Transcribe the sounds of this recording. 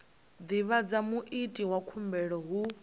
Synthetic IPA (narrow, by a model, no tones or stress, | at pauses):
d̪iβad͡zamuʔitʼiwakʰumbɛɺɔɦu